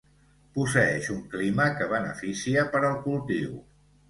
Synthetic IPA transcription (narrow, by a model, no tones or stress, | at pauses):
pusəɛʃuŋkliməkəβ̞ənə̰fisiəpəɾəlˠkulˠt̪ḭw